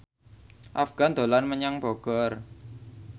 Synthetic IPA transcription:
ʔafɡ̥a̤nd̪o̤lanməɲaŋbɔɡ̥ɔr

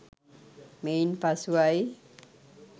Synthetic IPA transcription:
menpasuaj

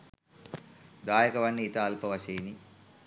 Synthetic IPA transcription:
d̪aːjɐkɐʋɐnːiːt̪aːlpɐʋɐʃiːni

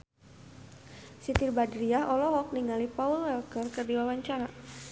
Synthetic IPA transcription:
sit̪irbadɾiaɦʔɔlɔɦɔk̚niŋalipaulwɛlkərkərdiwawaɲt͡ʃaɾa

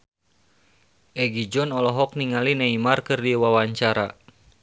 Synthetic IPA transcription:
ʔɛɡid͡ʒɔnɔlɔɦɔk̚niŋalinaimarkɨrdiwawaɲt͡ʃaɾa̰

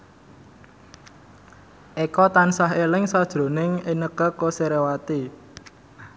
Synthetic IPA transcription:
ʔekɔt̪ansaɦelɪŋsad̥ʒ̥ɾo̤nɪŋenəkəkoseɾewat̪i

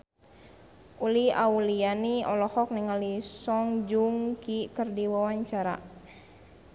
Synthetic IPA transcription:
ulia̰ulianiɔlɔhɔk̚niŋalisɔŋd͡ʒuŋkikərdiwawaɲt͡ʃaɾa̰

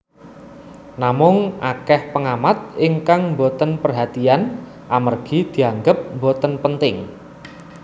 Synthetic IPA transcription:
namʊŋʔa̰kɛhpəŋamat̪̚ʔɪŋkaŋmbot̪ənpərɦat̪ian | ʔamərɡ̥i̤d̪̥i̤aŋɡəp̚mbot̪ənpənt̪ɪŋ

